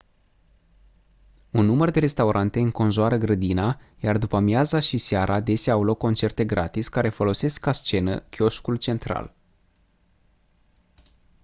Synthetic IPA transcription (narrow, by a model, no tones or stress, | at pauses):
unːumərd̪e̞ɾe̞st̪auɾʔant̪e̞ɨŋko̞nʒoaɾəɡɾəd̪inajard̪upəmjazaʃiseaɾʔad̪e̞sʲaawlo̞kːo̞nt͡ʃe̞rt̪e̞ɡɾʔa̰t̪isʲkaɾe̞fo̞lo̞se̞skast͡ʃe̞nəkʲo̞ʃkult͡ʃe̞nt̪ɾa̰l